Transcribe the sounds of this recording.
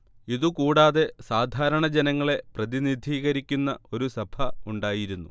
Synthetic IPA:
iðukuːɽaːðe̞saːd̪ʱaːɾɐɳɐd͡ʑenɐŋːɐɭe̞prɐðinid̪ʱiːɣɐɾikʲːunːɐo̞ɾusɐbʱʰɐuɳɖaːjiɾunːṵ

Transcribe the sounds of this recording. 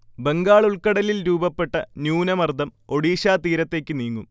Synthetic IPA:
be̞ŋɡaːɭuɭkɐɽɐlilɾuːbɐpːe̞ʈːɐnjuːnɐmɐrd̪ʱɐmo̞ɽiːɕaːt̪iːɾɐt̪ːe̞ːkʲːɨniːŋːum

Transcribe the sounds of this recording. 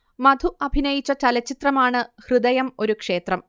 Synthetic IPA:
mɐd̪ʱuɐbʱinɐjit͡ɕːɐt͡ɕɐlɐt͡ɕːit̪rɐmaːɳɨhrɨd̪ɐjɐmo̞ɾukʂe̞ːt̪rɐm

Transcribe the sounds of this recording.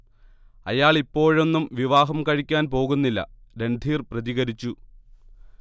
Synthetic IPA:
ɐ̰jaːɭipːo̞ːɻo̞nːumʋiʋaːɦɐmkɐɻikʲːaːnpo̞ːɣunːilːɐ̰ɾe̞nɖ̪ʱiːrprɐðiɣɐɾit͡ɕːu

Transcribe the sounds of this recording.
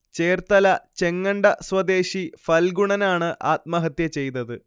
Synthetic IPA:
t͡ɕe̞ːrt̪ɐlɐt͡ɕe̞ŋːɐɳɖɐswɐd̪eːɕifɐlɡuɳɐnaːɳɨʔaːt̪̚mɐɦɐt̪jɐt͡ɕe̞jnɐðɨ

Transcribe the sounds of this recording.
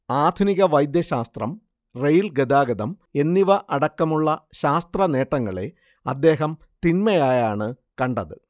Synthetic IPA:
aːd̪ʱuniɣɐʋɐjd̪jɐɕaːst̪rɐm | rejilɡed̪aːɡɐd̪ɐme̞nːiʋɐʔɐɽɐkːɐmuɭːɐɕaːst̪rɐne̞ːʈːɐŋːɐɭe̞̰ | ɐd̪ːe̞ːɦɐm | t̪inmɐjaːjaːɳɨ | kɐɳɖɐðɨ

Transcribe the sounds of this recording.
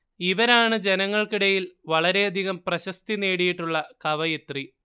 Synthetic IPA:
iʋɐɾaːɳɨd͡ʑe̞nɐŋːɐɭkiɽɐjilʋɐɭɐɾe̞ɐd̪ʱiɣɐmprɐɕɐst̪ineːɽijiʈːuɭːɐkɐʋɐjet̪ri

